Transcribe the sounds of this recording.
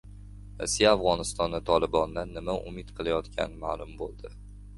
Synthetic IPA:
ɾa̰sijaːfʁɒnɪst̪ɒnat̪ʰɒlˠɪbɒnd̪anːɪmaʔʊ̰mɪt̪qʰɨlˠajɒt̪kʲʰa̰nɪmaːlˠʊmbolˠd̪ɪ

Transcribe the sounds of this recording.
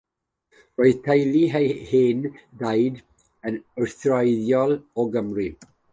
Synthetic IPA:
rɔjðtʰajliɦhendajd | ənəɹθrajðjɔlˠɔɡəmri

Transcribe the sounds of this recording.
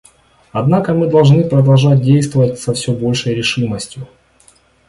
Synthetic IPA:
ɐd̪nakəmɨd̪ɐlˠʐnɨpɾəd̪ɐlˠʐat̚ʲdʲejst̪vəvətʲsɐfsʲobo̞lʲʂəjɾʲɪʂɨməsʲtʲjʊ

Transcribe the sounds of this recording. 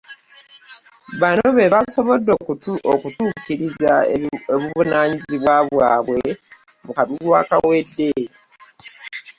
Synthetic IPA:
βano̞βe̞βaso̞βo̞dːo̞kutuʔokutuːkiɾizaeβuvunaːɲiziβwaβwaːβweβukaβulwaːkawe̞dːe̞ɾi

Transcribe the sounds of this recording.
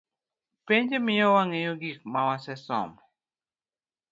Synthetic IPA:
peɲd͡ʒemɪjɔwaŋejoɡik̚mawasɛsɔ̰mɔ

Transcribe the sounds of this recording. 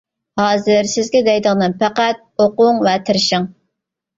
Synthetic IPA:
hɑːzɪɾsɪzɡʲɛd̪ɛjd̪əʁnɨnpʰæqæt̪̚oqʊŋvɛt̪ʰɪɾɪʃɪŋ

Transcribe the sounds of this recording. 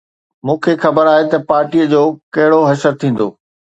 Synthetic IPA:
mũːkʰexɐbəɾaːɦet̪ɐpaːɾʈiːəd͡ʑoːkɐɦɪɽoɦɐʃəɾt̪ʰĩːn̆d̪oː

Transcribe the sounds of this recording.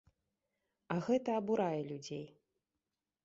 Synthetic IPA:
ɐɣɛt̪ɐːbuɾajɛlʲud͡zʲej

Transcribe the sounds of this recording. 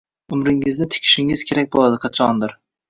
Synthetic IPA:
ʊmɾɪŋɪznɪt̪ʰɪ̥kʲʰɪ̥ʃɪŋɪz̥kʲʰe̞ɾak̚ʲbolˠad̪ɪqʰɑt͡ʃʰɒnd̪ɪɾ

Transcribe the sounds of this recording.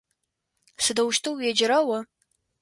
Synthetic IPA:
sɨdɐwʃtʰɨwjɛd͡ʒɪɾɐwɐ

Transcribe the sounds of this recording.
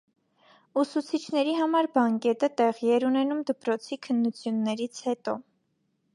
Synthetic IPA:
usut͡sʰit͡ʃʰnɛɾiɦɑmɑɾbɑŋkɛt̪ət̪ɛʁiɛɾunɛnumd̪əpɾɔt͡sʰikʰənːut͡sʰjunːɛɾit͡sʰhɛt̪ɔ

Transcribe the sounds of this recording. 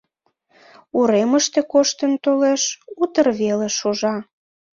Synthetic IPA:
uɾeməʃt̪ekoʃt̪ənt̪oleʃut̪ərβeleʃoʒɑ

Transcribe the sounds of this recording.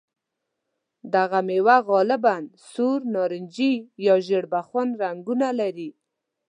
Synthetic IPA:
d̪aɣamewaɣɑlɪbansuɾnɑɾɪnd͡ʒijɑʒəɽbaxwanɾaŋɡunalaɾi

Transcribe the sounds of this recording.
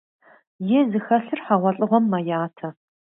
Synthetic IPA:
jɛzɨxɐɬɨrħaʁʷɔɬʼɨʁʷɔmːɐjaːtʰɐ

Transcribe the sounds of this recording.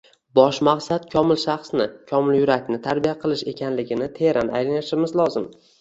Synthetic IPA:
bɒʃmaqsat̪̚kʲʰɒmɪlʃɑχsnɪkʲʰɒmɪljʊɾakʲnɪt̪ʰaɾbijaqʰɨlˠɪʃe̞kʲʰanlɪɡʲɪnɪt̪ʰeɾʔanʔa̰jlanɪʃɪmɪzlˠɒzɪm

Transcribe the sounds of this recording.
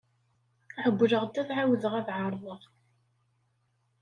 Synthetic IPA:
ħəbːləʁd̪ːæθʕawðəʁæðʕɑɾˤðˤəʁˤ

